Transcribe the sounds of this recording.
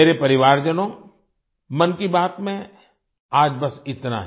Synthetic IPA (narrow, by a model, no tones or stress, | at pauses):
eːɾepɐɾɪʋaːɾd͡ʒɐnõː | mɐnkibaːt̪mẽ | aːd͡ʒbɐsɪt̪na̰ɦ